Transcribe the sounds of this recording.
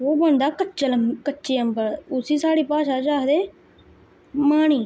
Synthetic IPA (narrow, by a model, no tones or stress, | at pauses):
oːbənd̪aːkətːt͡ʃələkətːʃiːəmbəɽʊsiːsaːɽiːpaːʃaːd͡ʒaːd̪eː | maːɽ̃iː